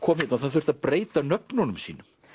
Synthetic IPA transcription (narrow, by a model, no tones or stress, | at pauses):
kʰɔːmhɪt̪naθaðθʏɾ̥t̪aðpɾeːjt̪anœpnɔnʏmsḭːnʏ